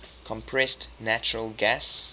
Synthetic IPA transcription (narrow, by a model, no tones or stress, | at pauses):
kʰɔ̃mpʰɹɛstnat͡ʃəɹəlɡas